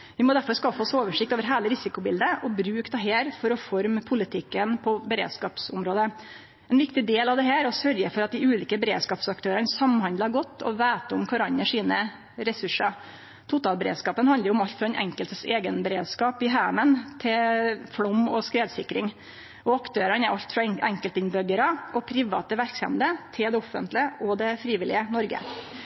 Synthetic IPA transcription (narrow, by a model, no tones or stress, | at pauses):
ʋɪmɔd̪æɾfɔɾskɑfəɔsoːʋəʂɪk̚t̪oːʋəɾɦæːləɾɪsɪkʊbɪld̪əʔɔbɾʉːkd̪ɛɦeːɾfɔɾɔfɔɾmpʰʊlɪt̪ʰɪkːənpʰɔbəɾḛːd̪skɑːpsʊmɾoːd̪ə | ɛnʋɪkt̪ɪd̪eːlɑʋd̪ɛɦæːɾɔsœɾjəfɔɾɑt̪̚d̪ɪʉːliːkəbɛɾeːd̪skɑːpsɑk̚t̪ʰøːɾənsɑmhɑnd̪lɑɡɔt̪ːɔ̰ʋæːt̪əʊmkʰɑɾɑnːəʂiːnə | ɾɛsʉʂəɾ | t̪ʰʊt̪ɑːlbəɾḛːd̪skɑːpənhɑnd̪əɾjʊʊmɑlt̪fɾɑɛnʔɛ̰ŋkəlt̪əseːɡənbɛɾeːd̪skɑːpɪɦæːmənt̪ʰɪlfɽɔmːɔskɾeːd̪sɪkːɾɪŋ | ɔɑkt̪ʰøːɾənɛɾʔɑlt̪fɾɑɛŋkəlt̪ɪnbœɡəɾəʔɔpʰɾɪʋɑ̰ːt̪əʋæɾksɛ̰md̪ət̪ʰɪld̪ɛɔfːə̰nt̪lɪəʔɔd̪ɛfɾiːʋɪlɪənɔɾɡə̰